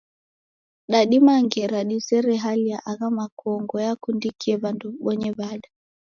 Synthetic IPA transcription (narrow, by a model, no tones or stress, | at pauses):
ɗaɗimaŋɡɛɾaɗisɛɾɛɦaliaʔaɣamakɔŋɡɔjakundikiɛβanduɓɔɲɛβaɗa